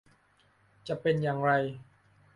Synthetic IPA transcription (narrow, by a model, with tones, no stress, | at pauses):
t͡ɕa˨˩ʔpe˧njaː˨˩ŋɾa˧j